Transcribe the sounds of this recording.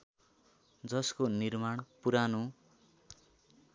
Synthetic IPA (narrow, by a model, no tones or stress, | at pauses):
d͡zʌskonirmaɳpuɾanũ